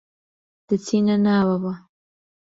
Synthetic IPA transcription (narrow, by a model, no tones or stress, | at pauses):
d̪̥ət͡sinanawawa